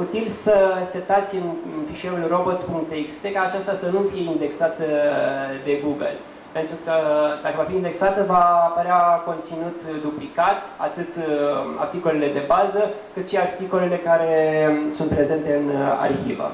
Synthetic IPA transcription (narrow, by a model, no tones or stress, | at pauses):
ut̪ilsəse̞t̪at̪sʲɨnɨnfiʃeulro̞bo̞t̪spuŋk̚t̪ikst̪ekaːt͡ʃast̪asənumfije̞ind̪e̞ksat̪ə | d̪e̞ɡuɡə̰l | pe̞nt̪ɾukəd̪akəvafiːnd̪e̞ksat̪əvapəɾeako̞nt̪sinut̪d̪uplikat̪a̰t̪ɨt̪a̰rt̪iko̞le̞le̞d̪e̞bazəkɨt̪ʃiart̪iko̞le̞le̞kaɾe̞sunt̪pɾe̞ze̞nt̪e̞ɨna̰rçḭvə̰